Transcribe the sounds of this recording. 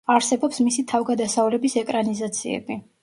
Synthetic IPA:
aɾsɛbɔpsmisit̪ʰavɡad̪asaulɛbisɛkʼɾanizat̪sʰḭɛ̰bi

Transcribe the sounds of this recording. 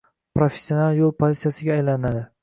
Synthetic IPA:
pɾofesːjo̞nalˠjolˠpʰozit̪sijasɪɡʲaːjlanɪad̪ɪ

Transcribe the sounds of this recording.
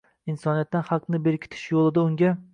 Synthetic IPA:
insɒnijat̪ːanhɑqnɪbeɾkʲʰɪ̥t̪ʰɪ̥ʃjolˠɪd̪aʊŋɡʲa

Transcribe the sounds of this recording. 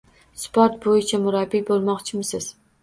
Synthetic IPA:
spʰoɾt̪̚bojɪt͡ʃʰamʊɾabːibolˠmɒqt͡ʃʰɪmɪsɪz̥

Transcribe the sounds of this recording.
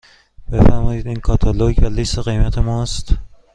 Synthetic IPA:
b̥e̞fæɾmɒːiːd̪iːnkʰɒːt̪ʰɒloɟvæliseɣejmæt̪ʰemɒːst̪

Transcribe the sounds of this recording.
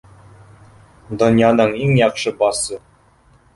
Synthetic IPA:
d̪ŏnjɑnɤɴiŋjɒqʃɤbɒsɤ

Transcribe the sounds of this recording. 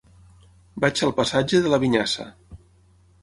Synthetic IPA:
bat͡ʃəlˠpəsad͡ʒəðələβiɲasə̰

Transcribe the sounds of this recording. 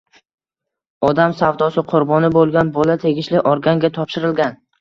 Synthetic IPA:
ɒd̪amsavd̪ɒsɪqʰʊɾbɒnɪbolˠɡʲanbɒlat̪ʰe̞ɡʲɪʃlɪʔɒɾɡʲaŋɡʲat̪ʰɒpʃɪɾɪlɡʲan

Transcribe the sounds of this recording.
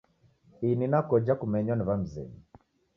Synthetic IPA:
ininakɔd͡ʒakumɛɲɔnivam̩zɛ̰ni

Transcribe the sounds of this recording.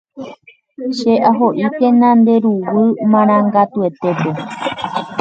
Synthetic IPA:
ʃeʔaɦoʔikẽnãnd̪e̞ɾuwɨmãɾ̃ãŋɡat̪ue̞t̪e̞pe̞

